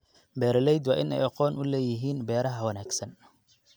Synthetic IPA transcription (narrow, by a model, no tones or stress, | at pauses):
bɛːɾɐlɛjd̪wɑ̰ːʔɪnɛ̰jɑqɔːnʊlɛːjɪɦiːnbɛːɾɐɦɐwɐnaːɡsɐn